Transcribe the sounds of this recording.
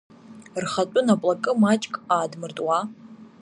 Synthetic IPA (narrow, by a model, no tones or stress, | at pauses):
rχat͡pʷʼʊnapʼlakʼɨmat͡ʃʼkʼaːdmɨrtʼwa